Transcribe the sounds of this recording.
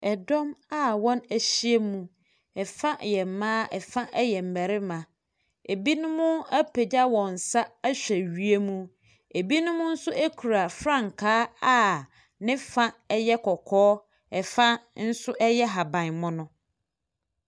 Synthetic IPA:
ɛ˨dɔ̃˦ma˦wɔ̃˦næ˨ɕi˦e˦mũ˦ | ɛ˨fã˦jɛ˨m̩˨mãː˦ɛ˨fã˦ʔɛ˦jɛ˨m̩˨mæ˨ɾɪ˦mã˨ | e˨bi˦nʊ̃˦mʊ̃˦æ˦pʰe˨d͡ʑa˦wɔ̃˨n̩˨sa˦æ˦ɕᶣæ˨ɥi˨˦e˦mũ˦ | e˨bi˦nʊ̃˦mʊ̃˦n̩˦sʊ˦ʔæ˦kʰu˨ɾa˨fɾã˦˨ŋ˨kʰaː˦a˦ | nɪ̃˦fã˦ɛ˦jɛ˦kʰɔ˨kʰɔː˦ | ɛ˨fã˦n̩˦sʊ˦ʔɛ˦jɛ˦ɦa˨bã˨nmʊ̃˦nʊ̃˦

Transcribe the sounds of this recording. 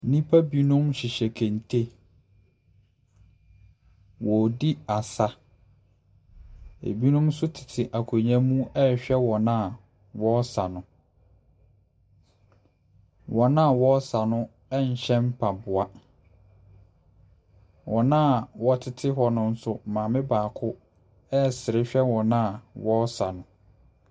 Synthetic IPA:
nĩ˦pʰa˦bi˦nʊ̃˦mɕɪ˨ɕɛ˨kʰɛ̃˨n˨tʰe˦ | wɔ˨di˦a˨sa˦ | ḛ˨bi˦nʊ̃˦msʊ˦tʰɪ̥˨tʰɪ˨ʔa˨kʰo˨ɲã˦mũ˦ɛ˦˨ɕᶣɛ˦wɔ˨nã˦a˨ | wɔ˦sa̰˨nʊ̃˨ | wɔ˨nã˦a˨wɔ˦sa˨nʊ̃˦ | ɛ˦ɲ̩˨ɕɛ̃˦m˦pʰa˨bʊ˨a˦ | wʔɔ˨nã˦˨wɔ˦tʰɪ˨tʰɪ˦ɦɔ˨nʊ̃˦n̩˦sʊ˦mã˨mɪ̃˦baː˨kʰʊ˦ | ɛ˦˨sɪ˨ɾɪ˦ɕᶣɛ˦wɔ̃˨nã˦a˨wɔ˦sa˨nʊ̃˨

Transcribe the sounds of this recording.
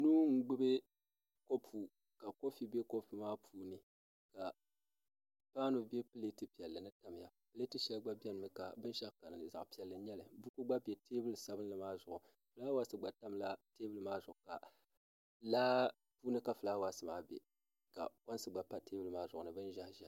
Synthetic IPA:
nuː˦ŋ̩˦ɡ͡bɨ˦bɨ˦ | ko˦pʰu˨ | ka˨ko˦fi˨be˦ko˦pi˨maː˦pʰuː˦nɨ˨ | ka˨ | paː˦no˨be˦pɨ˦le˦tɨ˦pi˨ɛ˨lːɨ˨nɨ˦ta˨m˨ja˨pɨ˦le˦tɨ˦ʃɛ˦lɡ͡ba˦bɛ˦nɨ˨mɨ˨ka˨bɨ˦nʃa˦ka˨nɨ˨nɨ˨za̰˨ʔpi˨ɛ˨lːɨ˨ɲɛ˦lɨ˨bu˦ku˦ɡ͡ba˦bɛ˨tʰeː˦bɨ˦lɨ˨sa˦bɨ˦nlɨ˨maː˦zʊ˨ʔʊ˨ | fɨ˨laː˦wa˦sɨ˨ɡ͡ba˨ta˦mla˦teː˦bɨ˦lɨ˦maː˦zʊ˨ʔʊ˨ka̰˨ | laː˦ | puː˦nɨ˦ka˨fɨ˨laː˦wa˦sɨ˨maː˦bḛ˨ | ka̰˨ko˦n˦sɨ˨ɡ͡ba˨pa˦teː˦bɨ˦lɨ˦maː˦zʊ˨ʔʊ˨nɨ˨bɨ˦n˦ʒa˦hʒɛ˨

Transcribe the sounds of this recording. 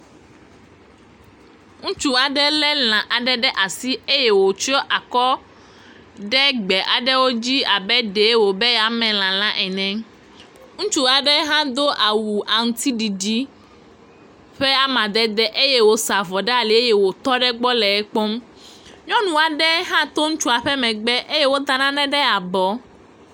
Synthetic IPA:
ŋũ˦t͡ʃu˦a˨ɖɛ˦lɛ˦l̃ã˨ʔa˨ɖɛ˦ɖɛ˦ʔa˨si˦e˦jɛ˦wo˨t͡ʃɔ˦ʔa˨kɔ˦ | ɖɛ˦ɡ͡bɛ˨ʔa˨ɖɛ˦wo˦d͡ʑi˦a˨bɛ˦ɖe˨˦wo˨be˦ja˦mɛ̃˨l̃ã˨l̃ã˦ʔɛ˨nɛ̃˨ | ŋũ˦t͡ʃu˦a˨ɖɛ˦ɦã˦d̪o˦ʔa˨wu˨ʔa˨ŋũ˨t̪i˦ɖi˨ɖi˦ | ɸɛ˦a˨mã˨d̪ɛ˦d̪ɛ˦ʔe˦je˦wo˦sa˨vɔ˨ɖɛ˦a˨li˨e˦je˦wo˨t̪ɔ˦ɖɛ˦ɡ͡bɔ˦lɛ˨ɛ˦k͡pɔ˦m | ɲɔ̃˦nũ˨a˨ɖɛ˦ɦã˦t̪o˦ŋũ˦t͡ʃu˦a˨ɸɛ˦mɛ̃˨ɡ͡bɛ˦ʔe˦je˦wo˦d̪a˨nã˦nɛ̃˦ɖɛ˦a˨bɔ˨˦

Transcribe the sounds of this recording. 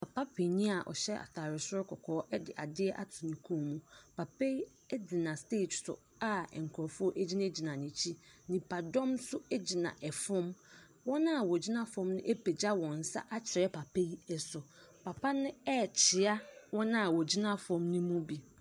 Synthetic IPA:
pʰa˨pa˦pʰe˨ɲĩ˦a˨ʔɔ̰˨ɕɛ˦a̰˨tʰaː˨ɾɪ˨sʊ˦ɾkʰɔ˨kʰɔː˨˦ʔɛ˦dɪ˨ʔa˨dɪ˦ɛ˦ʔa̰˨tʰʊ˨nĩ˨kʰũ˦˨mũ˦pa˨pe˦ | ɛ˦d͡zi˨nã˨steː˦˨tsʊ̰˨ | a˦ɛ̰˨ŋ̩˨kʰɔ˨ɾfʊ˦ɔ˦ʔe˦d͡ʑi˦nã˦d͡ʑi˨nã˨nɪ̃˨t͡ɕʰi˦nɪ̃˨pʰa˨dɔ̃˦msʊ˦ɛ˦d͡ʑi˨nã̰˨ʔɛ˨fɔ̃˦m | wɔ̃˦nã˦˨wɔ˨d͡ʑi˦nã˦fɔ̃˦mnʊ̃˦ʔe˦pʰe˨d͡ʑa˦wɔ̃˨n̩˨sa̰˦ʔa˦t͡ɕʰɪ˨ɾɛ˦pʰa˨pʰe˦i˦ɛ˨sʊ˨ | pʰa˨pʰa˦nʊ̃˦ɛ˦˨t͡ɕʰɪ˨a˦wɔ̃˦nã˦a˨wɔ˨d͡ʑi˦nã˦fɔ̃˦mnʊ̃˦mũ˦bi˨

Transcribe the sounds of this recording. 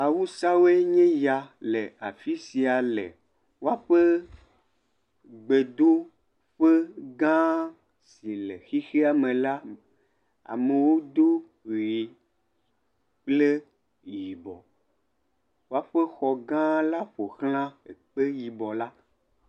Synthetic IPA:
a˨wu˦sa˦wo˦e˦ɲɛ̃˦ja˨le˨a˨fi˦si˨a˨lḛ˨ | wo˦a˦ɸe˦ | ɡ͡be˨d̪o˦ | ɸe˦ɡã˦ | si˨le˨xi˦xe˦a˦mẽ˨la˦ | a̰˨me˨wo˦d̪o˦ | ɣi˨ | k͡ple˦ | ji˨bɔ˨ | wo˦a˦ɸe˦xɔ˨ɡã˦la˦ɸo˨xl̃ã˦e˨k͡pe˦ji˨bɔ˨la˦

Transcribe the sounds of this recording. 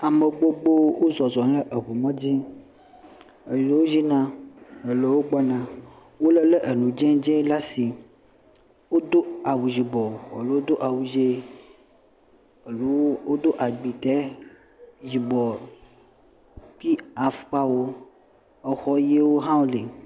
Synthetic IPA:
a˨me˨ɡ͡bo˦ɡ͡bo˦wo˦zɔ˨zɔ˨le˦ʔə˨βu˨mɔ̃˦d͡ʑi˦ | e˨le˦wo˦zi˦nã˦e˨le˦wo˦ɡ͡bɔ˦nã˨ | wo˦lə˦lə˦ʔe˨nũ˨d͡ʒɛ̃˦d͡ʒɛ̃˦la˦si˨ | wo˦d̪o˦a˨wu˨zi˨bɔ˨a̰˨lo˦wo˦d̪o˦ʔa˨wu˨d͡ʒe˦ | e˨lu˦o˦d̪o˦ʔa˨ɡ͡bi˨t̪ɛ˦ | zi˨bɔ˨ | pi˦a˨fu̥˨˦k͡pa˦wo˦ | ə˨xɔ˦je˦wo˦ɦã˦wo˦le˨

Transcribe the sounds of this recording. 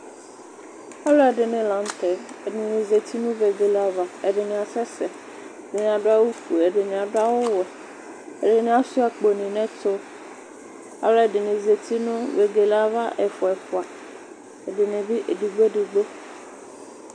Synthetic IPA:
a˦lɔ˦ɛ˨ɖɪ˨nɪ̃˨lã˨˦n˦t̪ɛ˨ɛ˨nɪ̃˨nɪ̃˨ze˨t̪i˦nũ˦ve˨ɡe˨la˦va˨ɛ˨ɖɪ˨nɪ̃˨a˨sɛ˦sɛ˨ | ɛ˨dɪ˨nɪ̃˨a˨ɖo˦a˦wu˦fu˨ɛ˨ɖɪ˨nĩ˨a˨ɖo˦a˦wʊ˦wɛ˨ | ɛ̰˨ɖɪ˨nɪ̃˨˦a˨su˦a˨k͡po˨nĩ˨nɛ̃˦t̪o˦ | a̰˨lɔ˦ɛ˨dɪ˨nɪ̃˨ze˨t̪i˦nʊ̃˦ve˨ɡe˨la˦va˦ʔɛ˨fɔ˨ɛ˨fɔ˨a˨ | ɛ˨dɪ˨nɪ̃˨vi˦ʔe˨di˨ɡ͡be˦dɪ˨ɡ͡bo˦

